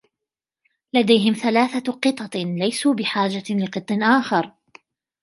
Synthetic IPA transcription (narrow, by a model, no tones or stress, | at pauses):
lad̪ajɦɪmθalaːθaqɨt̪ˤɑlajsuːbɪħaːd͡ʒalɪqɨt̪ˤːɪnʔaːxɑɾˤ